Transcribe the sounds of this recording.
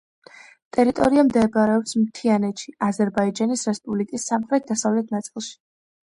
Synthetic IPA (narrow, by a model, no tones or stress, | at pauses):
t̪ʼɛɾit̪ʼɔ̰ɾiamd̪ɛbɾɛɔpsmt̪ʰianɛt̪ʃiazɛɾbaid͡ʒanisɾɛspʼublikʼisːamχɾɛt̪̚d̪asavlɛt̪̚ʰnat̪sʼilˠʃi̥